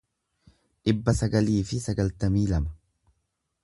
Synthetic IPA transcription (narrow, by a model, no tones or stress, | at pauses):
ᶑɪbːɐsɐɡɐliːfɪsɐɡɐlt̪ɐmiːlɐmɐ̥